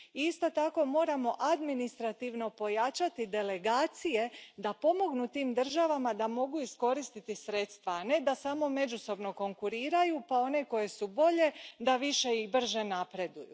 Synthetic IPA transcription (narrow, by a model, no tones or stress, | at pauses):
iist̪o̞t̪ako̞mo̞ːɾamo̞ʔad̪minist̪ɾat̪iʋno̞po̞jat͡ʃat̪id̪e̞le̞ɡaːt̪sije̞d̪apo̞mo̞ɡnut̪iːmd̪r̩ʒaʋamad̪amo̞ɡuisko̞ɾist̪it̪isɾe̞t̪st̪ʋaːne̞d̪asaːmo̞me̞d͡ʒuso̞bno̞ko̞ŋkuɾiːɾajupao̞ne̞ko̞je̞subo̞ʎe̞d̪aʋiʃe̞ibr̩ʒe̞napɾe̞d̪ujṵ